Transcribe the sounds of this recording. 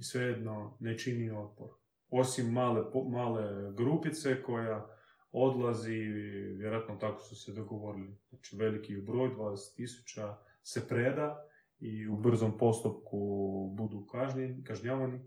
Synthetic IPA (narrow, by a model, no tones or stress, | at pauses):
isʋejed̪no̞net͡ʃinio̞t̪̚poɾ | o̞simːaːlemaːle̞ɡɾupit̪se̞ko̞ja | o̞d̪lˠaziʋjɾoat̪not̪akosused̪oɡo̞ʋo̞ɾiliat͡ʃiʋe̞likibɾo̞ːjd̪ʋaːd̪ese̥t̪ːisu̥t͡ɕa | se̞pɾe̞d̪a | iubr̩zo̞mpo̞st̪upkubud̪ukaʒnkaʒɲaːʋani